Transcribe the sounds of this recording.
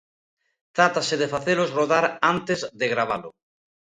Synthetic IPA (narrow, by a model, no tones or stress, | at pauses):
t̪ɾat̪aseðefaθelozroðaɾant̪ezðeɣɾaβ̞alʊ